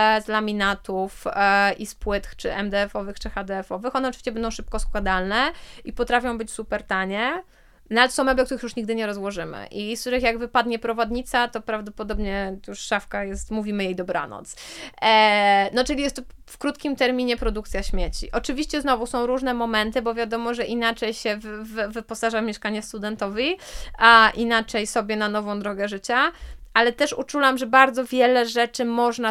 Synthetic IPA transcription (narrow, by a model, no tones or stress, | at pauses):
zlamʲinat̪ufʔispwɘt̪xt͡ʂɘʔɛmd̪ɛɛfɔvɘxt͡ʂɘxad̪ɛɛfɔvɘxɔnɛɔtɨvʲiɕt͡ɕɛbɛnd̪ɔ̃w̃ʂɘp̚kɔskwad̪alnɛʔipɔt̪ɾafʲjɔ̃w̃bɘt͡ɕsupɛɾt̪aɲɛ | navɛt̪sɔ̃w̃mɛblɛkt̪uɾɘxjuʂɲiɡd̪ɘɲɛɾɔzwɔʐɘmɘ̰ʔiskt̪uɾɘxjaɡvɘpad̪ɲɛpɾɔvɔd̪ɲit̪sat̪ɔpɾavd̪ɔpɔd̪ɔbɲɛt̪juʂːafkajɛst̪muvʲimɘjejd̪ɔbɾa̰nɔ̰t̪s | nɔt͡ʂɨlʲijɛst̪ːɔ | fkɾut̪kʲimt̪ɛɾmʲiɲɛpɾɔd̪uk̚t̪sʲjaɕmʲjɛt͡ɕḭʔɔt͡ʂɘvʲiɕt͡ɕɛznɔvusɔ̃w̃ɾuʐnɛmɔmɛnt̪ɘbɔvʲjad̪ɔmɔʐɛʔinat͡ʂɛjɕɛvvvɘpɔsaʐamʲjɛʂkaɲɛst̪ud̪ɛnt̪ɔvʲiaʔinat͡ʂɛjsɔbʲjɛnanɔvɔ̃w̃d̪ɾɔɡɛʐɘt͡ɕaʔalɛt̪ɛʂṵt͡ʂulamʐɛbaɾd̪zɔvʲjɛlɛʐɛt͡ʂɘmɔʐna